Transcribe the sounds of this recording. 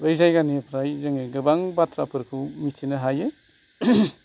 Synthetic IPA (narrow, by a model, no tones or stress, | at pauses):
ɾɯjzajɡanipʰɾajzɯŋeɡɯbaŋbatʰɾapʰɯɾkʰumitʰinɯɦajɯ